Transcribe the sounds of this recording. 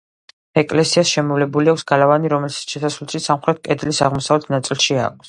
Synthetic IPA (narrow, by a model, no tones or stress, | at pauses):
ɛkʼlɛsiasʃɛmɔvlɛbuliakʰʷsɡ̥alavaniɾɔmɛlsḁʃɛsasvlɛʃisamχɾɛt̪̚ʰkʼɛd̪lisaʁmɔsavlɛt̪ʰnat̪sʼilˠʃia̰k̚ʰs